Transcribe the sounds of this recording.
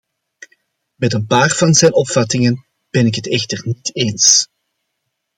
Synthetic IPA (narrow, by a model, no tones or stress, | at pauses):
mɛtənpaːrv̥ɑnzɛjnɔpfɑtɪŋən | b̥ɛnɪkɦətɛxtərniteːns